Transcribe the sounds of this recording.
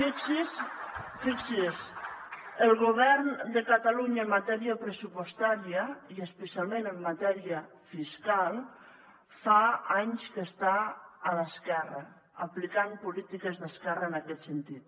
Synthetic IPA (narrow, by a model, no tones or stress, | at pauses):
fiksisfiksis | əlɣoβɛɾnd̪əkat̪aluɲaemːat̪ɛɾiapɾəsupost̪aɾjaiəspəsialˠmẽnəmːat̪ɛɾiə | fiskalˠ | faaɲskest̪aːðəskɛrɐː | plikampulit̪ikezðəskɛraenakɛt̪sent̪it̪